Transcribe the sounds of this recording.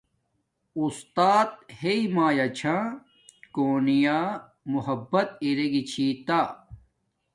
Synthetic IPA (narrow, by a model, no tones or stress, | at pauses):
ust̪aːt̪̚heimaːjɐt͡ɕʰã | koːnijaː | muhɐbːɐt̪̚iɾeɡit͡ɕʰiːt̪a